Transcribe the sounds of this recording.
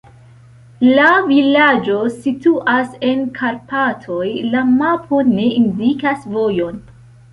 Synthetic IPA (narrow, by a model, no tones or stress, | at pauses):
lavilad͡ʒo̞situʔase̞nkʰaɾpatʰo̞jlamapʰo̞ne̞indikasvo̞jo̞n